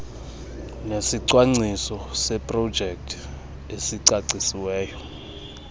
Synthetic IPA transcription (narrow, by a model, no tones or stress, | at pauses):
nesiǀwaŋ͡ǀisɔsɛpʼrɔd̥ʒ̥ʱɛk̚tʰ | esiǀaǀisiwɛːjɔ